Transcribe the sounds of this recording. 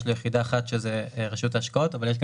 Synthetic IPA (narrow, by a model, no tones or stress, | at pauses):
ʃlojeχid̪aːχatʃezeʁeʃutaʃkaotavaljeʃ̬ɡ